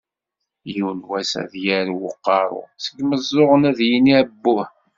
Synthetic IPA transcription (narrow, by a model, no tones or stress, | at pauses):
junwæsæ̰ðjæɾwəqːɑɾˤʊ̰sə̥ɡməzˤːoʁənæðjiniæbːʊh